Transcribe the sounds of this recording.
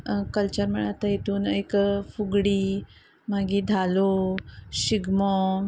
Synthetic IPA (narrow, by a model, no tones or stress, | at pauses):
kəlt͡ɕəɾməɳat̪ajet̪ʰuːnekfuɡɽiː | maɡid̪ʱaloɕiɡmo